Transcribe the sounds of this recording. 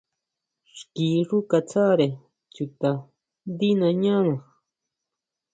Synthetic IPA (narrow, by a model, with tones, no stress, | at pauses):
ʂkiː˨ʐu˦ka˧t͡sa˦ɾe˨ | t͡ʃu˧t̪a˧ | nd̪i˦nã˧ɲã˦nã˨